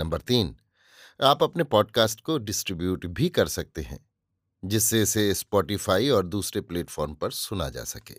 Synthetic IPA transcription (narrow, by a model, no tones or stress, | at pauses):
nɐ̃mbəɾt̪iːn | aːpɐpnepɔːɖkaːsʈkoɖɪsʈɾɪbjuːʈbʱikɐɾsɐk̚t̪eɦɛ̰̃ː | d͡ʒɪsːeɪsespɔːʈifaːiɔːɾd̪uːsɾepleːʈfʰɔːɾmpɐɾsʊna̰d͡ʒa̰ːsɐkḛː